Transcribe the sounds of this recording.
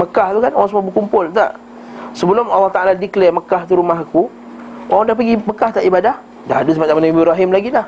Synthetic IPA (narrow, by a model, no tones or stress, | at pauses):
məkaht̪ukanoɣãŋsəmabəkumpʊlt̪a̰ʔ | səbəlʊmalːɑht̪aaladiklɛməkaht̪uɾumaɦaku | oɣãdahpəɡiməkaht̪aʔibadah | daɦadusəmat͡ʃamanaibiɾaɦɪmlaɡilah